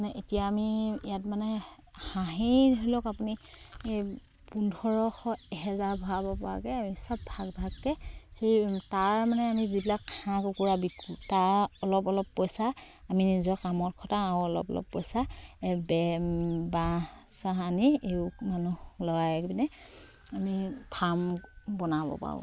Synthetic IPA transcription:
anɛʔetijaːmiijat̚manɛ | haɦidɦojlɔkapuniej | pundʱɔɹɔxɔɛɦɛzaɹbʱɔaabɔpɔa̰kɛamisɔb̚bʱaɡbʱaɡkɛxejtaɹmanɛamizibilakkʰãkukuɹabikʰutaɔlɔpɔlɔpːɔjsa | aminizɔkamɔtkʰɔtaaʊɔlɔ̰pɔ̰lɔ̰pːɔ̰jsaɛbɛbasaɦaniekmanulɔjaɛkbinɛ | amipʰambɔnabɔ̰pa̰ɔ̰

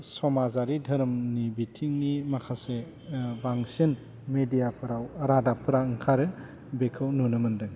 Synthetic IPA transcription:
sɔmazaɾidʱɐɾmnibitʰiŋnimakʰase | baŋsən | medijapʰɯɾawɐɾadapʰɯɾaɯŋkʰaɾɯ | bekʰɯwnunɯmɯndɯ

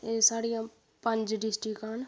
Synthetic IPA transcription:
esaːɽijãː | pə̃ɲd͡ʒɖɪsʈikaːn

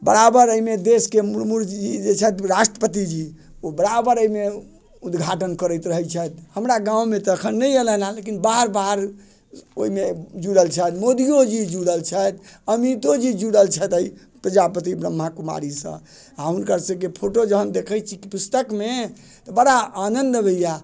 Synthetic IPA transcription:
bəɾabəɾəimed̪eskemuɾmuɾd͡ʒid͡ʒet͡ʃʰət̪ɾasʈɾəpət̪̬id͡ʒi | obəɾabəɾəime | ud̪ɡʱaʈənkəɾəjt̪ɾəɦət͡ʃʰət̪həmɾaɡãũmet̪əːkʰənːəieləɦlalekinbaɦəɾbaɦəɾ | oimed͡ʒuɽəlt͡ʃʰət̪mod̪ijod͡ʒid͡ʒuɽəlt͡ʃʰət̪əmit̪od͡ʒid͡ʒuɽəlt͡ʃʰət̪əi | pɾəd͡ʒapət̪ibɾəmːakuma̰ɾisə̰̃ | aunkəɾsə̃kepʰoʈod͡ʒəɦənd̪ekʰət͡ʃʰikipust̪əkme | t̪ɔbəɽaanənd̪əbəjja

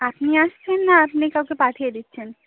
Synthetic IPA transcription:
ap̚niaʃt͡ɕʰenːaapnikawkepaʈʰijed̪itːɕʰen

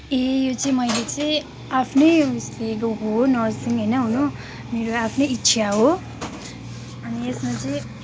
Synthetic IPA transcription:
ejot͡sʌĩmʌjlet͡sʌ̃ | apʰnʌjslekoɦonʌrsiŋɦʌjnʌɦuno | meɾoapʰnʌjitːt͡sʰjaɦo | ʌniesmat͡sʌĩ

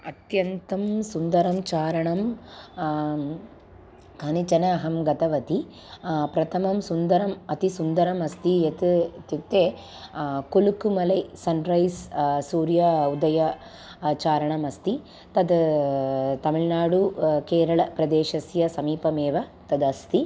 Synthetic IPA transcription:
ɐt̪jɐnt̪ɐmsund̪ɐɾɐmt͡ʃaːɾɐɳɐm | kʰɐnit͡ʃɐnɐːɦɐmɡɐt̪ɐʋɐt̪i | pɾɐt̪ʰɐmɐmsund̪ɐɾɐmɐt̪isund̪ɐɾɐmɐst̪ijet̪t̪ut̪e | kolukumɐlɐjsɐnɾɐjssuːɾjɐud̪ɐjɐ | t͡ʃaːɾɐɳɐmɐst̪i | t̪ɐd̪ | t̪ɐmiɭnaːɽukeːɾɐɭɐpɾɐd̪eːʃɐsjɐsɐmiːpɐmeːʋɐt̪ɐd̪ɐst̪i

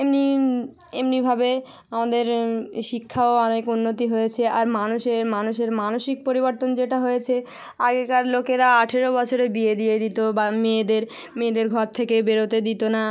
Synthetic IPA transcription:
emni | emnibʱabe | amad̪eɾʃikʰːaoɔnekunːot̪iɦojet͡ɕʰeʔaɾmanuʃeɾmanuʃeɾmanoʃik̚poɾiboɾt̪ond͡ʑeʈaɦojet͡ɕʰe | aɡekaɾlokeɾaaʈʰeɾobɔt͡ɕʰoɾebied̪ied̪it̪obamed̪eɾ | med̪eɾɡʱɔɾt̪ʰekebeɾot̪ed̪it̪ona

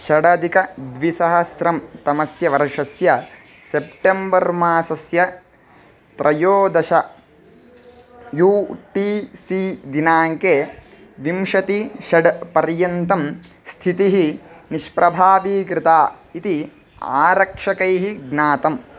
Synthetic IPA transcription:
ʃɐɖɐd̪ikɐd̪ʋisɐɦɐsɾɐmt̪ɐmɐsjɐʋɐɾɐʂɐsjɐ | sepʈembɐɾmaːsɐsjɐ | t̪ɾʔɐjoːd̪ɐʃɐ | juːʈiːsiːd̪inaːŋkeː | ʋimʂɐt̪iʃɐɖpɐɾjɐnt̪ɐm | st̪ʰit̪iɦiniʃpɾʔɐbʱaːʋiːkɾɪt̪aː | it̪i | a̰ːɾɐkʂɐkɐjɦiɡnaːt̪ɐm

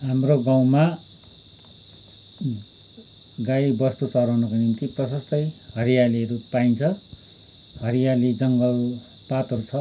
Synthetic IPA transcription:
ɦamroɡaw̃ma | ɡajbʌst̪ut͡sʌɾʌwnʌkonimt̪iprʌsʌst̪ʌjhʌɾijaliʌɾupaint͡sʰʌ | ɦʌɾijalid͡zʌŋɡʌl | pat̪ɦʌɾut͡sʰʌ

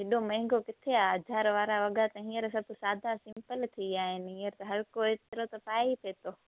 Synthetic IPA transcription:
ɦɪɗomɐ̃ɦɪ̃ŋɡokɪt̪ʰeaɐd͡ʒʱaːɾʋaːɾaʋɐɠat̪ɐɦĩːəɾsɐbʱsaːd̪ʱasɪ̃mpəlt̪ʰiaːɦɪnɪɦĩːəɾt̪ɐɦɐɾkoːit̪ɪɾot̪ɐpaːipʰeːt̪oː

